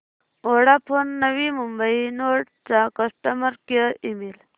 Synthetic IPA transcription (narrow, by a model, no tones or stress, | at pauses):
oɽapʰonːəʋimumbəinoʈ | t͡sakəsʈəməɾkjəimil